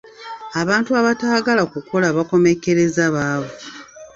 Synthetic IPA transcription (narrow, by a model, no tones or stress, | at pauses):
aβaːntuaβataːɡalakuko̞laβako̞me̞ke̞ɾe̞zaβaːβo